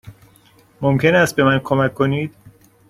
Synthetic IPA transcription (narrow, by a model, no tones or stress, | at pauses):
momcʰe̞næst̪̚be̞mænkʰo̞mækʰːo̞niːd̪̥̚